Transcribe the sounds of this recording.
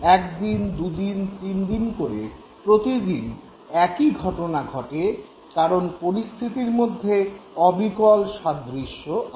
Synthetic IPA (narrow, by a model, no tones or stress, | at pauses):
ɛk̚d̪ind̪ud̪int̪ind̪inkoɾḛ | pɾot̪id̪in | ɛkiɡʱɔʈonaɡʱɔʈe | kaɾonpoɾist̪ʰit̪iɾmod̪ʱːeɔbikɔlʃad̪ɾiʃːoʔ